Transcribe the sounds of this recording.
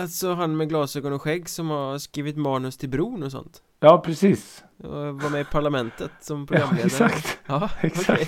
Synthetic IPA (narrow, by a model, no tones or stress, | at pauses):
alt̪sɔɦanːmɛɡlɑːsøːɡɔnɔɧɛɡːsɔmhaskɾiːvɪt̪mɑːnɵst̪ʰɪlbɾuːnɔsɔ̰nt̪ | jɑːpʰɾɛsiːs | vamɛɪpʰaɭamɛnt̪ət̪sɔmpʰɾʊɡɾamːleːd̪ɾakt̪ɑːɛkɔkʰa